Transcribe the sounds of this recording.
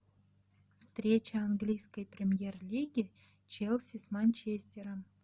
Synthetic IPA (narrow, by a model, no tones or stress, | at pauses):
fst̪ɾʲet͡ɕəanɡlʲijskəjpɾʲɪmʲjerlʲiɡʲɪ | t͡ɕelˠsʲɪsmanʲt͡ɕesʲtʲɪɾəm